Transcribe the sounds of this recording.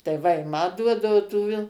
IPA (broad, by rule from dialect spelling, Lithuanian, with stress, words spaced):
tɐɪ ˈʋɐ ɪ ˈmɐ ˈduɔdɐʊ tuː ʋʲɪlˠ